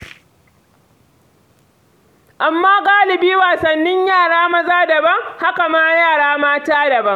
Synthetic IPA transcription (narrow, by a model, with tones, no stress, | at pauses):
ʔa˨mːaː˦ɡaː˦lɪ˨biː˦waː˨sɐ˨nːɪ˦ɲjaː˦˨ɽaː˦mɐ˦zaː˦dɐ˨bɐ˦ŋha˦ka˨maː˦jaː˦˨ɽaː˦maː˦taː˦dɐ˨bɐ˦ŋ